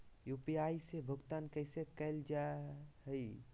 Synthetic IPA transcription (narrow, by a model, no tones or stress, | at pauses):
jupiajsebʱʊɡt̪ankəjsekəɪld͡ʒaɦəj